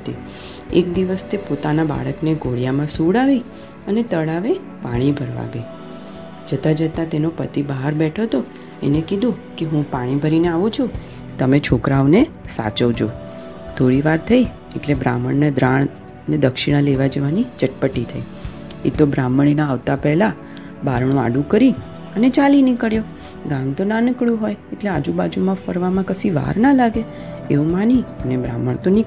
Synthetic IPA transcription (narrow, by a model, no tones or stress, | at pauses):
t̪ḭ | ḛk̚d̪iʋəst̪ʰepot̪anaba̰ɭəkneɡoɭjamãsuɽaʋi | ənet̪əɭaʋe | paɽ̃ibʱəɾʋa̰ɡəi | d͡ʒət̪ad͡ʒət̪at̪enopət̪ibaɦaɾbɛʈʰot̪o | ḛnekid̪ʱũkeɦũpaɽ̃ibʱəɾineaʋũt͡ʃʰu | t̪əmet͡ʃʰokɾaʋnesa̰t͡ʃəʋd͡ʒo | t̪ʰoɽiʋaɾt̪ʰəi | ḛʈlebɾa̰məɳned̪ɾaɳ̃ | ned̪əkʃiɽ̃ãleʋad͡ʒəʋanid͡ʒəʈ̚pəʈːit̪ʰəi | ḛt̪obɾaməɳ̃inaːʋt̪apɛɦla | baɾɳ̃õa̰ɖũkəɾi | ənet͡ʃalinikəɭjo | ɡamt̪onanəkɭjũɦojeʈlead͡ʒubad͡ʒumãfəɾʋamãkəsiʋa̰ɾnalaɡe | eʋũmaniənebɾa̰məɳ̃t̪onik